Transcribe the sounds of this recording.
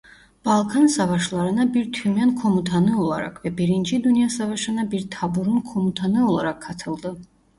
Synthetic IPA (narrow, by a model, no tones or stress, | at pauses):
b̥alˠkʰansavaʃlˠaɾanabiɾt̪ʰumjankʰɔmut̪ʰanɨɔlˠa̰ɾa̰kʰvɛbiɾint͡ʃʰid̪unijasavaʃanabiɾt̪ʰabuɾunkʰɔmut̪ʰanɨɔlˠaɾakʰːat̪ʰəld̪ə